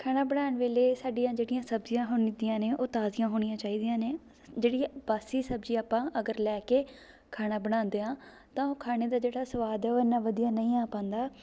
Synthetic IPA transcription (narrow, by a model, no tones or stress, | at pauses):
kʰaːnaːbəɽaːɳʋeːleːsaːɖijãːd͡ʒeːɽɪjãːsəbzijãːɦoːnd̪jãːneːʔoːt̪aːzijãːɦoːɽ̃ijãːt͡ʃaːiːd̪ijãːneː | d͡ʒeːɽiːbaːsiːsəbzĩːaːpãːʔəɡəɾlɛːkeː | kʰaːnaːbəɽ̃ãːnd̪eːɦãː | t̪ãːoːkʰaːneːd̪aːd͡ʒeːɽaːsəʋaːd̪ɛːoːɪnːãːʋəd̪ijaːnəĩːãːpãːnd̪aː